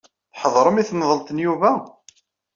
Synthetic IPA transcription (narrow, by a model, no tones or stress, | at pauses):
ħəðˤɾˤəmiθnðˤəlt̪ənjuvæ